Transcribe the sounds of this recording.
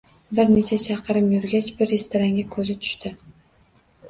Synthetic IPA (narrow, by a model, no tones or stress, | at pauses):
bɪɾne̞t͡ʃʰat͡ʃʰɑqʰɨɾɪmjʊɾɡʲat͡ʃbɪɾːest̪ʰoɾaŋɡʲakʰɵzɪt̪ʰʊ̥ʃt̪ɪ